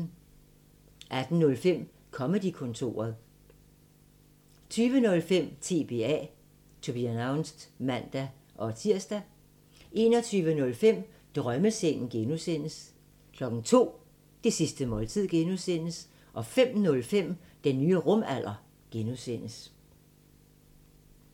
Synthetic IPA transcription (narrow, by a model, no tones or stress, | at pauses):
ʔæd̥n̩ːɔ̽lfem̰ | kʰɒ̽məd̥ikʰɔ̽nt͡sʰo̝̰ːɐð̞ˠ | t͡sʰyːʋənɔ̽lfem̰t͡sʰe̝ːb̥e̝ːɛ̰ | t͡sʰob̥iænäʊnsd̥mæn̰d̥æ | ʔɒ̽t͡sʰiɐ̰sd̥æ | ʔe̝ːnɒ̽t͡sʰyːʋənɔ̽lfem̰ | d̥ʁɶməseŋ̰n̩ɡ̥enusen̰əs | kʰlɒ̽ɡ̥n̩t͡sʰo̝̰ː | d̥e̝sisd̥əmɒ̽ːlt͡sʰið̰ˠɡ̥enusen̰əs | ʔɒ̽fem̰nɔ̽lfem̰d̥enːyːəʁɔ̽mæl̰ʔɐ | ɡ̥enusen̰əs